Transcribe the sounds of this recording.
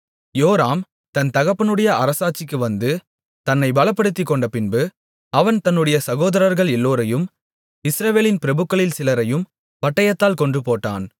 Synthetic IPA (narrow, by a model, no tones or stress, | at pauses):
joːɾaːm | t̪ɐnt̪ɐɣɐpːɐnɯɽɐjɐɐɾɐsaːʈ̚t͡ʃːɪkːɯʋɐnd̪ɯ | t̪ɐnːɐɪbɐlɐpːɐɽɯt̪ːɪkːɔɳɖɐpɪnbɯ | ɐʋɐnt̪ɐnːɯɽɐjɐsɐɣoːðɐɾɐɾɣɐɭɛlːoːɾɐjɯm | ɪsɾɐʋeːlɪnpɪɾɐbɯkːɐɭɪlsɪlɐɾɐjɯm | ʋɐʈːɐjɐt̪ːaːlkɔɳɖrɯpoːʈːa̰ːn